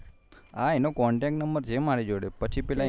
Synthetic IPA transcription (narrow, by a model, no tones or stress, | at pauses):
aenokɔɳʈɛkʈnəmbəɾt͡ʃʰemaɾed͡ʒoɽepət͡ʃʰipɛla